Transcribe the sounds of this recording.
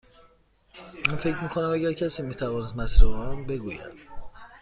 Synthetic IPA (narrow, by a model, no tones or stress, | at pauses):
mænfe̞cmiːkʰo̞næmæɟæɾcʰæsiːmiːt̪ʰævɒːnesd̪mæsɾumbe̞ɡuːjæ̰d̪̥